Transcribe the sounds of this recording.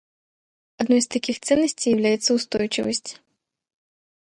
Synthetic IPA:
ɐd̪nɔjst̪akʲixt̪sɛnːɐsʲtʲejɐvlʲajɛt̪sɐust̪ɔjt͡ʃɪvɐsʲt͡sʲ

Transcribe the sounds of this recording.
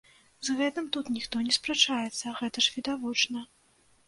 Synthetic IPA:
zɣɛt̪ɐmt̪ut̪nʲixt̪ɔnʲɛspɾɛt͡ʂajɛt̪sːɐɣɛt̪ɐʂvʲid̪avɔt͡ʂnɐ

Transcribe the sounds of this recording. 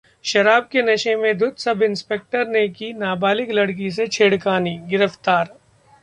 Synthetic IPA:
ʃɐɾaːb̚kenɐʃẽmẽd̪ʊd̪sɐbɪ̃nspeːk̚ʈəɾnekinaːbaːlɪklɐɽk̬is̬et͡ʃʰeːɽkaːniɡɪɾəft̪aːɾ

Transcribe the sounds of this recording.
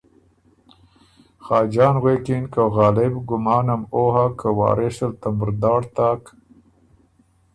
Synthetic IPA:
xɑːd͡ʒɑːnɣwekinkaɣɑːlɪbɡʊmɑːnamohakəwɑ̰ːɾeʃəlt̪amʊɾd̪ɑːɽt̪ɑːk

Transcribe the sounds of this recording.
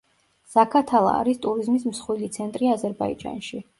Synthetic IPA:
z̥akʰat̪ʰalˠa̰ːɾist̪ʼuɾizmis̬msχwilit̪sʰɛnt̪ʼɾiazɛɾbaḭd͡ʒa̰nʃi

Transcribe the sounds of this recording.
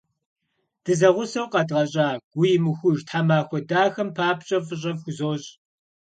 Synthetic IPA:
d̥ɨzɐʁʷʊsɐwqɐdʁɐɕʼaːɡ̥ʷʊjmɨxʷʊʒtħamaːxʷɔdaːxɐmpʰaːpɕʼɐfɨɕ̬ʼɐvxʷʊzoːɕʼ

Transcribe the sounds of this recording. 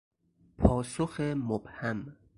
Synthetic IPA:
pʰɒːsoxemob̥hæm

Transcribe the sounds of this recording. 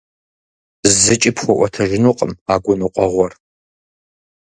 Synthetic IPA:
zɨt͡ʃʼipχʷɔʔʷɔtʰɐʒɪnuqʼəmaːɡʷʊnuqʷʼɔʁʷɔr

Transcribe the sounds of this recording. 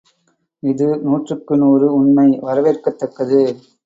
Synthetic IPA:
ɪðɯnuːʈrɯkːɯnoːɾɯʊɳmɐɪʋɐɾɐʋeːɾkɐt̪ːɐkːɐðɯ

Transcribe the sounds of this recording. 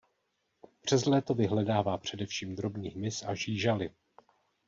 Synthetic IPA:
pr̝̥ɛzlɛːt̪o̞vɪɦlɛdaːvaːpr̝̥ɛdɛfʃiːmd̪ɾo̞bɲiːɦmɪsaʒiːʒalɪ

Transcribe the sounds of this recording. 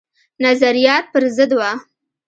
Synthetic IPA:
nazaɾijɑt̪̚pəɾzəd̪wa

